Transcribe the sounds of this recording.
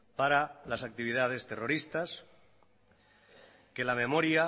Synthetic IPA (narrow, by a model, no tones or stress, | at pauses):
paɾalasak̚t̪iβ̞iðað̞e̞st̪e̞roɾist̪as | ke̞lame̞moɾja